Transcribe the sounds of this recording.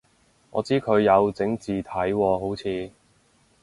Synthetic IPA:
ŋɔ̰ː˨˧t͡siː˥kʰɵ˨˧ɥjɐ˨˧wt͡sɪ˨˥ŋt͡siː˨t̪ʰɐ˨˥jwɔː˧ɦo˨˥wt͡sʰiː˨˧

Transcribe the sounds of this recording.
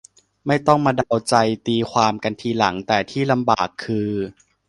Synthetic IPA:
ma˥˩jt̪ɔ˥˩ŋmaː˧da˧wt͡ɕa˧jt̪iː˧kʰwaː˧mka˧nt̪ʰiː˧la˩˦ŋt̪ɛː˨˩t̪ʰiː˥˩la˧mbaː˨˩kʰːɯː˧

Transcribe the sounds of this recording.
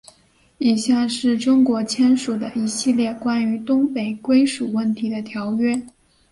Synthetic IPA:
i˨˩ɕja˥˧˩ʂɻ̩˥˩ʈ͡ʂʊ˥ŋkwɔ˧˥t͡ɕʰjɛ˥nʂu˨˩d̪ə˦i˧˥ɕi˥˧ljɛ˥˩kwa˥ny˧˥t̪ʊ˥ŋpe˨˩ɪkwe˥ɪʂu˨˩wə˥˩nt̪ʰi˧˥d̪ə˧t̪ʰjɑ˧˥ʊɥɛ˥

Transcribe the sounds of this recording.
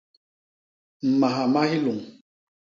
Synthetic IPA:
m̩˨ma˨ɦa˨ma˦hi˦lo˨ŋ

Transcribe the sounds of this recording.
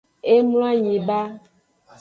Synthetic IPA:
e˦mla˦ɲĩ˨ba˦

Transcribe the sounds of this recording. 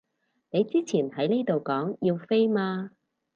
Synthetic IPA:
ne˨˧jt͡siː˥t͡sʰiː˨˩nhɐ˨˥jne˥jt̪o˨wkɔː˨˥ŋjiː˧wfe˥jmaː˧

